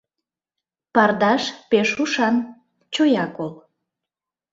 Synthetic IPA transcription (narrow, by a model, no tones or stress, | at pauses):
pɑrd̪ɑʃpeʃuʃɑn | t͡ɕojɑkol